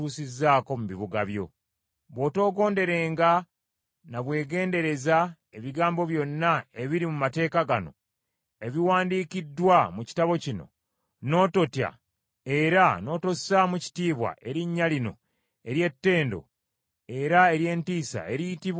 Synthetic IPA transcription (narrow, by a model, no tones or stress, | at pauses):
uːsizːaːko̞muβiβuɡaβjo̞̰ | βo̞ːto̞ːɡo̞ːnde̞ɾe̞ːŋɡa | naβwe̞ːɡe̞ːnde̞ɾe̞za | e̞βiɡaːmbo̞βjo̞nːae̞βiɾimumate̞ːkaɡano̞̰ | e̞βiwaːndiːkidːwamuci̥taβo̞cino̞̰ | no̞ːto̞tja̰ | e̞ɾano̞ːto̞samuci̥tiːβwa̰ʔe̞ɾiɲːalino̞̰ | e̞ɾje̞tːe̞ːndo̞̰ | e̞ɾae̞ɾje̞ːntiːsa̰e̞ɾijtiβ